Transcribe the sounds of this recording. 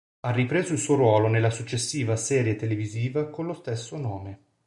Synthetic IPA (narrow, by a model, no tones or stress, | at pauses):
arːipɾeːzoilsuːoɾwɔːlonelːasut͡ʃːesːiːvasɛːɾjet̪eleviziːvakonlost̪esːonoːme